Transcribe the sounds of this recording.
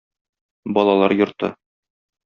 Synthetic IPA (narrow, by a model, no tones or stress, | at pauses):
bɒlˠɑlˠɑɾjŏɾt̪ɤ̰